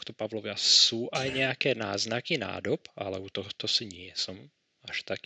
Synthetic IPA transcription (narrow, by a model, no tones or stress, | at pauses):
xt̪ɔpaʋlɔʋɪasuːʔajɲɛakɛːna̰ːznakina̰ːd̪ɔpalɛut̪ɔɦɔt̪ɔsiɲɪɛsɔm | aʃt̪ak